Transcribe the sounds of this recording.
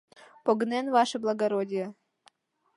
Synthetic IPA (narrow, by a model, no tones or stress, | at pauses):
poɡnenvɑʃɤblˠɐɡɐɾodʲijə